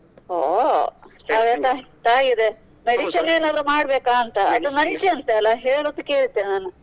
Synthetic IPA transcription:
ɦo | t̪aːʋɐt̪ɐt̪aːɡid̪e | meɽiʃɐneːnaːd̪ɐɾumaːɽbeːkaːɐnt̪ɐɐt̪ːɐnɐnt͡ʃiɐnt̪eɐlːaɦeːɭoːd̪ukːeːɭit̪ːenaːnu

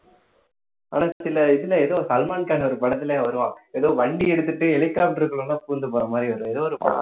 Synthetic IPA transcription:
a̰ːnãːsɪlɐɪðɪlɐɛðoːsɐlmaːnkaːnɐɔɾɯpɐɽɐt̪̬ːɪlẽʋɐɾɯʋãːɛðoːʋɐɳɖiɛɽɯt̪̬ːɯʈːɯɛlɪkːaːp̚ʈɪɾɯkːɯɭõnːaːpuːɾnd̪ɯpoːɾɐmaːd̪ɾiʋɐɾ̃ɛðoːɔɾɯpɐ̰

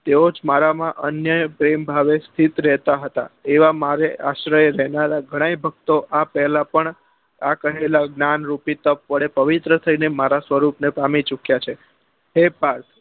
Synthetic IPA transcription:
t̪eod͡ʒmaɾamãʔənjəpɾembʱaʋest̪ʰit̪ɾɛɦt̪aɦət̪a̰eʋamaɾeʔaʃɾəjeɾɛɦnaɾaɡʱəɽ̃ajbʱəɡ̚t̪oʔapɛɦlapəɳ | akəɦelaɡnanɾupit̪əpːəɽepəʋit̪ɾət̪ʰəinemaɾasʋəɾupnepamit͡ʃukjat͡ʃʰe | ɦepaɾt̪ʰ

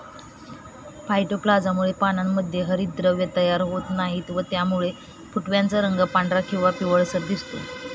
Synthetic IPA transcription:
pʰajʈoplad͡zamuɭepanamːəd̪ʱjeɦəɾiːt̪̚d̪ɾəʋjət̪əjaɾɦot̪naɦiːt̪ʋət̪jamuɭe | fuʈʋjant͡səɾəŋɡapaɳɖɾakĩw̃ʋapiʋəɭsəd̪ist̪o̰

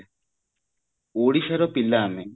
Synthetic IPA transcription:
oːɽiʃɐɾopilːame

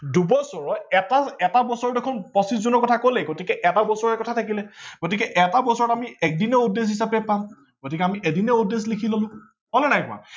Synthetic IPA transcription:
dubɔsɔɹɔɛtaɛtabɔsɔɹɔdekʰunpɔsiszunɔɹkɔtʰakolɛɡotikɛʔɛtabɔsɔɹɛkɔtʰatʰakilɛɡ̥otikɛʔɛtabɔsɔɹɔtamiɛk̚dinɛudes̬ɦisapɛpam | ɡ̥otikɛamiʔedinɛudes̬likʰilolʊ̃ | ɦolɛnajkʊa̰

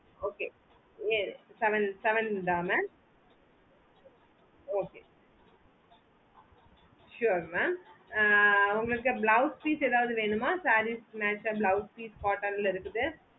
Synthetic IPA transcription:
oːkeː | esɛʋɐnsɛʋɐnɖaːmɛːm | oːkeː | ʃuːɾmaːm | uŋɡɐɭɯkːɨblɐwspiːseːðaːʋɐðɯʋeːɳɯmaːsaːɾimaːt͡ʃablɐʊspiːskaːʈːaːnilɪɾɯkːɯðɯ

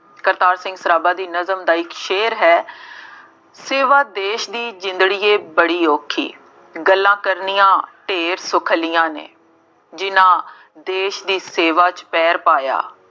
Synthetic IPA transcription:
kəɾt̪aːɾsɪ̃ŋɡsəɾaːbaːd̪iːnəzəmd̪aːɪkʃeːɾɦɛː | seːʋaːd̪eːʃd̪iːd͡ʒɪ̃nd̪ɽiːeːbəɽiːoːkʰḭː | ɡəlːãːkəɾniːjãːʈeːɾsʊkʰlijãːnḛː | d͡ʒɪnãː | d̪eːʃd̪iːseːʋaːt͡ʃpɛːɾpaːja̰ː

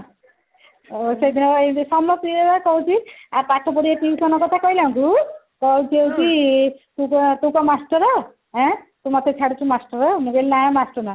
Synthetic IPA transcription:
osejd̪ʱinɔbaesɔmɔpiebakɔw̃t͡ʃʰiaɾpaʈʰɔpɔɽiat̪isɔnɔkɔt̪ʰakɔjlaw̃ku | kɔwt͡ʃʰiewt͡ʃit̪ũkɔt̪ũkɔmasʈɔɾɔ | ɦɛ̃t̪umɔt̪ʰet͡ʃʰaɽut͡ʃʰumasʈɔɾɔmuɡelinajamasʈɔɾna

